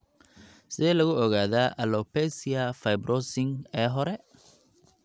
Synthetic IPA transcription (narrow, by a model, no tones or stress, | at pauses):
sɪðɛːlɐɣʊɔɣaːðaːʔɐlɔpɛsɪɐfɐjbɾʔɔsɪŋɛːɦɔɾɛ